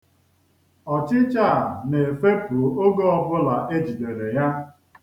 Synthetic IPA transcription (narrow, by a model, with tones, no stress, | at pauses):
ɔ˨t͡ʃɪ˦t͡ʃa˦˨ne˨fe˦po˨o˦ɡɔ˦ɔ˦bʊ˦la˨ʔe˦d͡ʒi˨de˨le˨ja˦